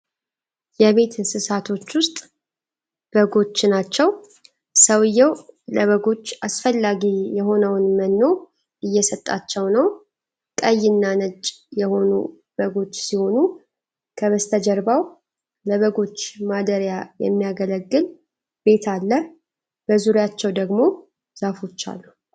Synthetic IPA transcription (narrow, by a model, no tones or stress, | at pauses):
jɛβe̞t̪ʰsɨsat̪ʰo̞t͡ʃːwʊst̪ʼ | b̥əɡo̞t͡ʃːɪnat͡ʃːɛw | səwɨjːɛwləβəɡo̞t͡ʃːasfəlːaɡijɛɦo̞nəwnmənːo̞ | ʔɨjːɛsət̪ʼːa̰t͡ʃːɛwnəw | kʼəjːɪnːanət͡ʃʼjɛho̞nṵ | bəɡo̞t͡ʃːsiho̞nu | kʰəβəst̪ʰəd͡ʒəɾbaw | ləβəɡo̞t͡ʃːmad̪əɾjajɛ̰mːijaɡələɡːɨl | be̞t̪ʰalːə | b̥əzuɾjat͡ʃːɛwd̪əɡmo̞ | zafo̞t͡ʃːa̰lːu